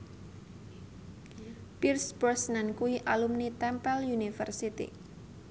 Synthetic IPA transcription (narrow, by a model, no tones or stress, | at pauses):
pirsbɔsnankuiʔalumnit̪ɛmpɛljunifərsit̪ḭ